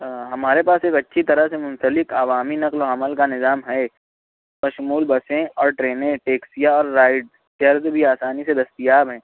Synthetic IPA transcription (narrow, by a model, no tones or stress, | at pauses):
ɦɐmaːɾepaːseːkɐtːʃʰit̪ɐɾəɦsemʊ̃nsəlɪkaːʋaːminɐqloɐməlkanɪzaːmɦɛ | mɐʃmuːlbɐsẽɔːɾʈɾeːnẽʈeːksijaɔːɾːaːɪɖ | t̪jɐɾzbʱiaːsaːnised̪ɐst̪ijaːbɦɛ̃ː